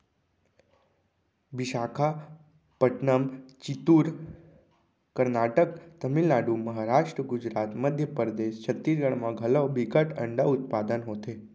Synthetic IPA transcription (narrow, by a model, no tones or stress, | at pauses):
biʃakʰa | pəʈnəmt͡ʃit̪uɾ | kəɾnaʈəkt̪əmilnaɖuməɦaɾaʂʈɾəɡud͡ʒɾat̪məd̪ʱjəpəɾd̪eʃt͡ʃʰət̪ːisɡəɽmãɡʱəlobiɡəʈə̰ɳɖaut̪̚pad̪ənɦot̪e